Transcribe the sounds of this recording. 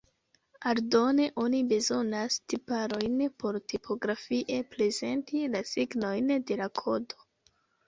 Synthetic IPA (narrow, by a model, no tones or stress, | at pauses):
aɾdo̞ne̞ʔo̞nibe̞zo̞nastipaɾo̞jnpʰo̞ɾtipʰo̞ɡɾafiʔe̞pɾe̞ze̞ntilasiɡno̞jnde̞lakʰo̞do̞̥